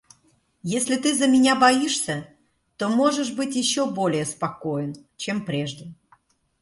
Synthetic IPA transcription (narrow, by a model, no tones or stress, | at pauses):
jesʲlʲɪt̪ɨzəmʲɪnʲabɐiʂsʲə | t̪omoʐəʂbɨtʲjɪɕːobolʲɪjəspɐkojənt͡ɕempɾʲeʐd̪ʲə